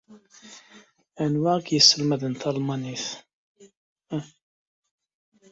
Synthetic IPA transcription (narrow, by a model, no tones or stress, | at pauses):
ænwækjəsːəlməðənt̪ɑlmɑniθ